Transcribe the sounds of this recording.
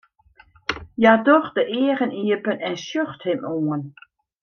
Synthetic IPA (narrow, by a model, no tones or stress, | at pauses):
jadɔxdəʔɪəʁəniəpənɛnsjøxthɪmoːən